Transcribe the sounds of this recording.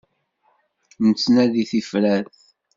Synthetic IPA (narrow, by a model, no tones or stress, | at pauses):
nət͡sːnæðiθifɾæθ